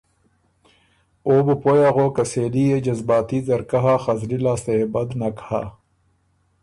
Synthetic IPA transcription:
oːbpojaɣoːkɐseːlied͡ʑɐzbaːt̪izɐɾkɐɦaxɐzɾilaːseebɐd̪nɐkha̰

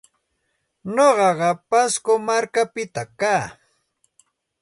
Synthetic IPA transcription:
ɲoɢɑɢɑpaskomaɾkapɪt̪akaː

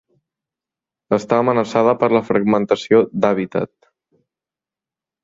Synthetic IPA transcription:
əst̪aːmənəsaðəpəɾləfɾəɡmənt̪əsiod̪aβ̞it̪ə̰t̪̚

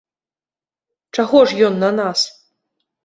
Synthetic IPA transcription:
t͡ʂaɣɔʂjɔnːɐnas

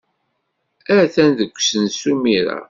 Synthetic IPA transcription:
æθænðəkʷːsənsumiɾa̰

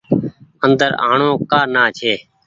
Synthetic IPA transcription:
ənd̪əɾa̰ːɳõːkaːnaːt͡ʃʰeː

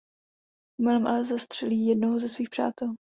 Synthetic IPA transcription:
mɪlɛmʔalɛzast̪r̥ɛliːjɛdnoɦozɛsviːxpr̥a̰ːt̪ɛl

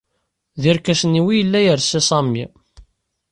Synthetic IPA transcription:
ðiɾkːæsəniwijəlːæjəɾsisˤɑmːi

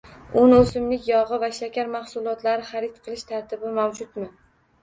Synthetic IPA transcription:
ʊnosɪmlɪkʲjɒʁɨvaʃakʲʰaɾmaχsʊlˠɒt̪laɾɪχaɾɪt̪qʰɨlˠɪʃt̪ʰaɾt̪ʰɪbɪmamd͡ʒʊt̪mɪ

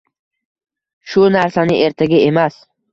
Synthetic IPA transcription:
ʃʊnaɾsanɪʔe̞ɾt̪ʰaɡʲae̞mas

